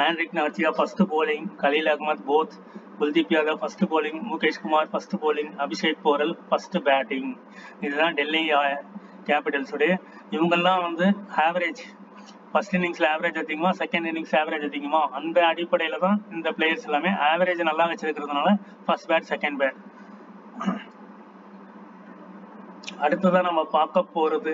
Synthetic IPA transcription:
aːnɾɪknɐɣɐɾt͡ʃːɪjaːfɐsʈpoːlɪŋkɐliːlɐɣmɐt̪boːt̪ʰ | ʊld̪ɪpːijaːðɐfɐsʈpoːlɪ̃ŋmʊkːeːʂkʊmaːɾfɐsʈɯpoːlɪ̃ŋɐbɪʂeːʈ̚poːɾɐlfɐsʈbaːʈɪ̃ŋ | ɪðɯt̪ãːɖɛlːiaːjɐ | kaːpɪʈɐlsoɽi | ɪʋɐŋɡɐlːãːʋɐnd̪ɯaːʋɐɾeːd͡ʒ | fɐsʈɪnːɪŋsɪlɐaːʋɐɾeːd͡ʒɐɾt̪ːiŋɡɐmãːsɛkɐɳɖɪnːɪŋsaːʋɐɾeːd͡ʒɐt̪ːɪŋɡɐmaːʔɐnd̪ɐːɽɪpːɐɽɐjɪlɐt̪ãːɪnd̪ɐpɭeːjɐɾsɛlːaːmeːʔaːʋɐɾeːd͡ʒnɐlːaːʋɛt͡ʃːɪɾɯkːɪɾɐðɯnaːlɐ | fɐsʈbaːʈsɛkɐɳɖbaːʈ̚ | ɐɽɯt̪ːɐðãːnɐmːɐpaːɾkɐpːoːɾɐðɯ

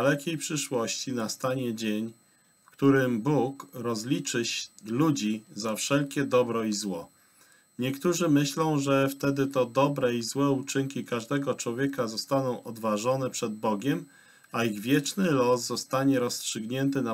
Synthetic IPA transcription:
alɛkʲejpʂɘʂwɔɕt͡ɕinast̪aɲɛd͡ʑeɲ | fkt̪uɾɘmbukɾɔzlʲit͡ʂɘɕlud͡ʑizafʂɛlkʲɛd̪ɔbɾɔizwɔ | ɲɛkt̪uʐɘmɘɕlɔ̃w̃ʐɛft̪ɛd̪ɘt̪ɔd̪ɔbɾɛizwɛut͡ʂɘŋkʲikaʐd̪ɛɡɔt͡ʂwɔvʲjɛkazɔst̪anɔ̃w̃ʔɔd̪vaʐɔnɛpʂɛd̪̚bɔɡʲɛm | aiɣvʲjɛt͡ʂnɘlɔszɔst̪aɲɛɾɔstʂɘɡɲɛnt̪̬ɘna

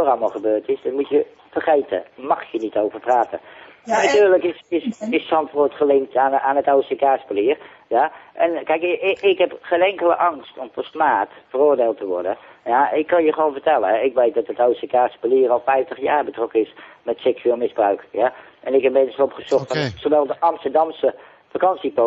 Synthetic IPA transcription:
orɑlˠməlˠχəbøːɹtɪsdɑtmutjə | fərχejtə̰mɑχjənitowvəɹpraːtə̰naɥtyːɹləkɪsɪsɪssɑntʋoɹtχəlɪŋk̚tʰanaːnətowsekaːspəliər | jaʔɛnkɛjkɪkɦɛpχeːnɛŋkələ̰ʔɑŋstɔmpɔstmaːtfəroːɹdeːlˠtəʋɔ̰ɹdənjaɪkːɑnjəχəʋoːnvəɹtɛlˠəɦɛɪkʋejt̚dɑtətowsekaːspəliːərɑlˠfɛjftəχjaːɹbətrɔkənɪsmɛtsɛksyeːlˠmɪzbrœɥkja | ʔɛnɪkɦɛpmedənsɔpχəz̥ɔχtfɔnsoʋɛlˠdəʔɑmstəɹdɑmsə | fakɑnsipo

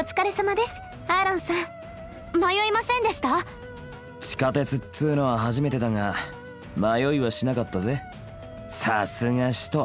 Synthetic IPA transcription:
ot͡sɨ̥kaɾesamad̪e̞sɨ̥ | aɾãɰ̃sã | majo̞imasẽ̞nd̪e̞ɕi̥t̪a | t͡ɕi̥kat̪e̞t͡sɨt̪t͡sɨːno̞βaɦaʑime̞t̪e̞d̪aŋa | majo̞iβaɕinakat̪ːaze̞ | sasɨŋaɕi̥t̪o̞

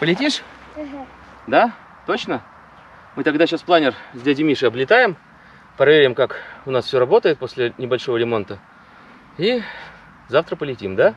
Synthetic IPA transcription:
pəlʲɪtʲiʂ | d̪a | t̪ot͡ɕnə | mɨt̪ɐɡd̪aɕasplˠanʲɪrzʲdʲedʲɪmʲiʂɨɐblʲɪt̪ajɪm | pɾɐvʲeɾʲɪmkakʊnasfʲsʲɵɾɐbo̞t̪əjɪt̪̚posʲlʲɪnʲɪbɐlʲʂovəɾʲɪmo̞nt̪ə | i | zaft̪ɾəpəlʲɪtʲimd̪a

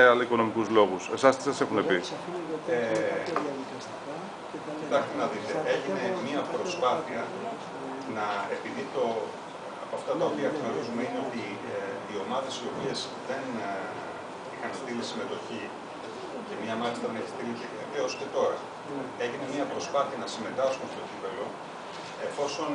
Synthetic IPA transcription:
alɐiko̞no̞mikuzlo̞ɣuse̞sɐst̪i̥sɐsexunepi | e | cit̪ɐçst̪enɐðit̪e̞e̞ʝine̞miɐpɾo̞spɐθiɐ | nɐe̞piðit̪o̞ | ɐpoɐft̪ɐt̪ɐo̞piɐeknoɾizumeine̞o̞t̪i | ðio̞mɐðe̞sio̞pie̞z | ðe̞n | ixɐnst̪ilisime̞t̪o̞çi | ce̞mɲɐmɐlist̪ɐðeneçi̥st̪ilit̪eet̪eosce̞t̪o̞ɾɐ | e̞ʝine̞miɐpɾo̞spɐθiɐnɐsime̞t̪ɐskumst̪o̞cit̪ɐlo̞ | e̞fo̞so̞n

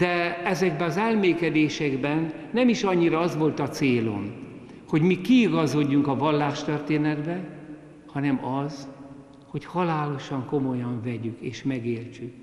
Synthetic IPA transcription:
d̪̥ɛɛzɛɡbɛɒzɛlmeːkɛd̪eːʃɛɡbɛnː | ɛmiʃɒɲːiɾɒɒzʋo̞lt̪ɒt̪seːlo̞̰n | ho̞ɟmikiːɡɒzo̞ɟːuŋkɒvɒlːaːʃt̪ørt̪eːnɛd̪bɛ | hɒnɛmɒz | ho̞chɒlaːlo̞ʃɒŋko̞mo̞jɒɱvɛɟykeːʃmɛɡeːlt͡ʃyk

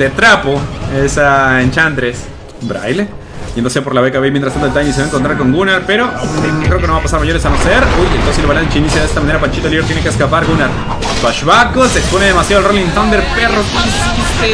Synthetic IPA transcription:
d̪et̪ɾapoesaent͡ʃand̪ɾes | bɾa̰jle | jenoseap̬o̞ɾlaβekaβejmjent̪ɾst̪ant̪et̪ajeniseaeŋkont̪ɾaɾko̞ŋɡunaɾpeɾokɾe̞okenoβapasaɾmaʝonesanoseɾoent̪osielβalant͡ʃinisjeðet̪amaneɾapant͡ʃit̪olioɾt̪jenekeskapaɾɣunaɾ | βaʃβakoseksponeðemasjaðlrolinθand̪eɾperokis

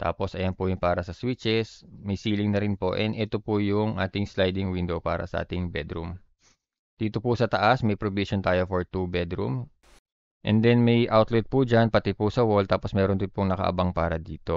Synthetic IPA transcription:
t̪a̰ːpo̞sʔɐjɐnpʊjʊŋpaːɾɐsɐswit͡ʃɛsmɐjsiːlɪŋnɐɾɪnpo̞ʔɛnʔɛt̪opujʊŋʔaːt̪ɪŋslajd̪ɪŋwɪnd̪o̞wpa̰ːɾɐ̰sɐ̰ʔa̰ːt̪ɪŋbɛd̪ɾum | d̪̥iːt̪o̞pusɐt̪ɐʔasmɐjpɾobiʃont̪aːjo̞foɹt̪ubɛd̪ɾṵm | ʔɛ̰nd̪ɛnmɐjʔawt̪lɪt̪̚pud͡ʒanpɐt̪ɪpusɐwoɹld̪̚aːposmɛːɾond̪ɪnpoŋnɐkɐ̰ʔɐ̰baŋpaːɾɐd̪iːt̪o̞

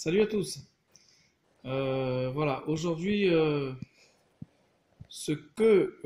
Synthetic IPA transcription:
salyat̪us | øvwalaʔoʒuʁd̪ɥiø | səkə

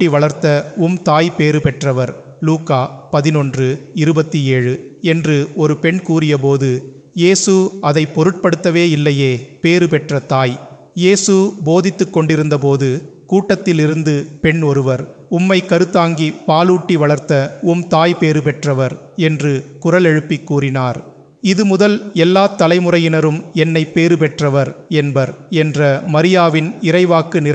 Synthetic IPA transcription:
iʋɐɭɐɾt̪ːɐʊmt̪aːjpeːɾɯpɛʈrɐʋɐɾ | luːkaːpɐðɪnɔndrɯɪɾɯbɐt̪ːieːɻɯɛndrɯɔɾɯpɛɳkuːrɪjɐp̬oːðɯ | jeːsɯɐðɐɪpːɔɾɯʈ̚pɐɽɯt̪ːɐʋeːɪlːɐjeːpeːɾɯpɛʈrɐt̪aːj | jeːsɯboːðɪt̪ːɯkːɔɳɖɪɾɯnd̪ɐpoːðɯkuːʈːɐt̪ːɪlɪɾɯnd̪ɯpɛɳɔɾɯʋɐɾ | ʊmːɐɪkɐɾɯt̪ːaːŋɡipaːluːʈːiʋɐɭɐɾt̪ːɐʊmt̪aːjpeːɾɯpɛʈrɐʋɐɾ | ɛndrɯkʊrɐlɛɻɯpːɪkːuːrɪnaːɾ | ɪðɯmʊðɐlɛlːaːt̪ːɐlɐɪmɯrɐjɪnɐɾɯmɛnːɐɪpːeːɾɯpɛʈrɐʋɐɾɛnbɐɾɛndrɐmɐɾɪjaːʋɪnɪɾɐɪʋaːkɯnɪ

